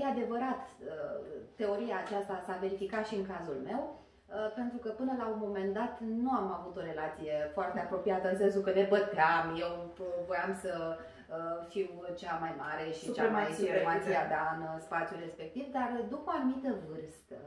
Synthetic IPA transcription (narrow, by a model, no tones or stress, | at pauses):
jead̪e̞vəɾat̪ət̪ːe̞o̞ɾiaːt͡ʃast̪asave̞ɾifikat̪ʃiɨŋkazulme̞w | əpe̞nt̪ɾukəpɨnəlaunmo̞me̞nd̪at̪nuamavut̪o̞ɾe̞lat̪sije̞foart̪e̞apɾo̞pijat̪əɨns̬ensukəne̞bət̪eamje̞wvo̞jamsə | əfiwt͡ʃamajmaɾe̞ʃit͡ʃaemajsuemasiad̪aɨnspat̪sijulre̞spe̞k̚t̪ivd̪ard̪upəanumit̪əvɨrst̪ə